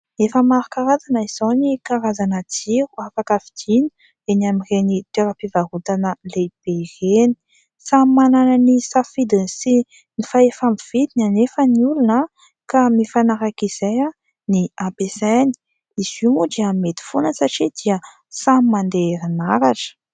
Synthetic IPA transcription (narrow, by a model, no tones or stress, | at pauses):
efəmaɾukaɾazanəiz̥onikaɾazanat͡siɾuafakavi̥d̪̥inu̥ | eniamirenit̪eɾəpivaɦut̪anəleb̥ereni̥ | sammananənisafid̪insi | nifaefamiv̥id̪inanefəniulunə | kamifanaɾakiz̥eja | niapesani̥ | izumudiamet̪i̥fonəsaʈ͡ʂid̪̥iə | sammand̪eɾinaɾaʈ͡ʂə̥